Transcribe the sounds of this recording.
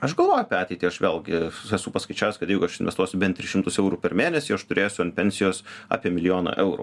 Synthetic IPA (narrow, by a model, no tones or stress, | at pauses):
ɐʃɡɐlˠʋoːjʊɐpʲɛɑːt̪ʲɛɪt̪ʲiːɐʃʋʲeːlˠɡʲɪɛsuːpɐskɐɪt͡ʃʲæːʋʲɛskɐt̪jɛɪɡʊɐʃɪnʲʋʲɛst̪uɔsʲʊbʲɛnt̪ɾʲɪʃʲɪmt̪ʊsɛʊɾuːpʲɛɾmʲeːnʲɛsʲiːɐʃt̪ʊɾʲeːjsʲʊɐnpʲɛnʲsʲɪjoːsɑ̰ːpʲiɛmʲɪlʲɪjoːnɐ̰ʔɛʊɾṵ